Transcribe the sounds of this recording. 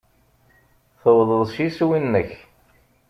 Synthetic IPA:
θəwðˤəðˤʃiswinːəç

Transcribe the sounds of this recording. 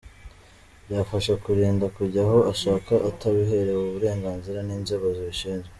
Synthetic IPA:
bjaːfaʃakuɾiːndakuɾɟaɦo̞aʃaːkaʔataβiɦe̞ɾewuβuɾe̞ːŋɡaːnziɾaniːnzoβozoʃiːnze

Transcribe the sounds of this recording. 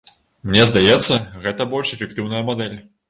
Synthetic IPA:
mnʲɛzd̪ajɛt̪sːɐɣɛt̪ɐbɔlʲʂɛfʲɛk̚t̪ɨwnɐjɐmad̪ɛlʲ

